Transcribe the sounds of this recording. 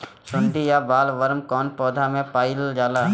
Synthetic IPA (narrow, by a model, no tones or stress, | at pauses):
sʊ̃nd̪ʱijabaːlʋəɾmkɔːnpɔːd̪ʱamẽpaːɪld͡ʒaːlaː